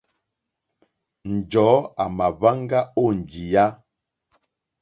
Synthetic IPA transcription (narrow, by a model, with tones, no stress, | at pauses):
n̩˨d͡ʒɔ˨˦a˨ma˨βa˦ŋ˦ɡa˦o˦˨n̩˨d͡ʒi˨ja˦